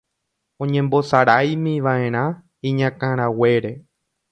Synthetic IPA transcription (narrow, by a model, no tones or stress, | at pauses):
õɲẽ̞mbo̞saɾajmĩʋaẽ̞ɾ̃ã | ĩɲãkãɾ̃awe̞ɾe̞